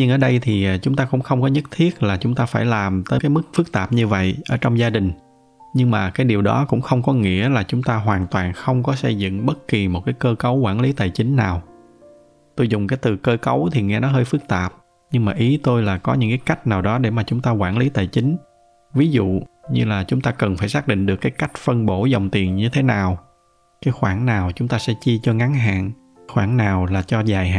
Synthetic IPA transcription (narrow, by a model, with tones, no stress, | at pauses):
ɲɨ˧nʔəː˧˩ɗə˧jt̪ʰi˨˩t͡ɕʊ˨˦ŋ͡mt̪aː˧kʊ̰˧˥ŋ͡mxə˧wŋ͡mkɔ˨˦ɲə˦˥t̚t̪ʰi˦˥ət̚laː˨˩t͡ɕʊ˨˦ŋ͡mt̪aː˧faː˧˩jlaː˨˩mt̪əː˨˦kaː˨˦jmɨ˦˥k̚fɨ˦˥k̚t̪aː˨˩p̚ɲɨ˧və̰˧˨jʔəː˧˩t͡ɕɔ˧wŋ͡mzaː˧ɗï˨˩ŋ̟ | ɲɨ˧ŋmaː˨˩kaː˨˦jɗi˨˩əwɗɔ̰˨˦kʊ̰˧˥ŋ͡mxə˧wŋ͡mkɔ˨˦ŋḭ˧˥əlaː˨˩t͡ɕʊ˨˦ŋ͡mt̪aː˧ɦwaː˨˩nt̪waː˨˩nxə˧wŋ͡mkɔ˨˦sə˧jzɨ̰˧˨ŋɓə˦˥t̚ki˨˩mo˨˩t̚kaː˨˦jkəː˧kə˨˦wkwaː˧˩nli˨˦t̪aː˨˩jt͡ɕï˨˦ŋ̟naː˨˩w | t̪o˧jzʊ˨˩ŋ͡mkaː˨˦jt̪ɨ˨˩kəː˧kə˨˦wt̪ʰi˨˩ŋɛ˧nɔ˨˦ɦəː˧jfɨ˦˥k̚t̪aː˨˩p̚ | ɲɨ˧ŋmaː˨˩ʔi˨˦t̪o˧jlaː˨˩kɔ˨˦ɲɨ̰˧˥ŋkaː˨˦jka˦˥jk̟̚naː˨˩wɗɔ˨˦ɗe˧˩maː˨˩t͡ɕʊ˨˦ŋ͡mt̪aː˧kwaː˧˩nli˨˦t̪aː˨˩jt͡ɕï˨˦ŋ̟ | vi˨˦zṵ˧˨ɲɨ˧laː˨˩t͡ɕʊ˨˦ŋ͡mt̪aː˧kə˨˩nfaː˧˩jsaː˦˥k̚ɗḭ̈˧˨ŋ̟ɗɨ˨˩əkːaː˨˦jka˦˥jk̟̚fə˧nɓo˧˩zə˨˩wŋ͡mt̪i˨˩ənɲɨ˧t̪ʰe˨˦naː˨˩w | kaː˨˦jxwaː˧˩nnaː˨˩wt͡ɕʊ˨˦ŋ͡mt̪aː˧sɛ̰˧˥t͡ɕi˧t͡ɕɔ˧ŋa˨˦ŋɦa̰ː˧˨n | xwaː˧˩nnaː˨˩wlaː˨˩t͡ɕɔ˧zaː˨˩jɦa̰ː˧˨